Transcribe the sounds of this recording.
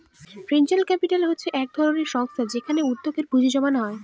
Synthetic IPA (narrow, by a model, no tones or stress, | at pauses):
fɾend͡ʑalkɛpiʈalɦotːɕʰeʔɛk̚d̪ʱɔɾoneɾʃɔŋst̪ʰad͡ʑekʰaneudd̪ːokeɾbud͡ʑʱid͡ʑɔmanɦɔe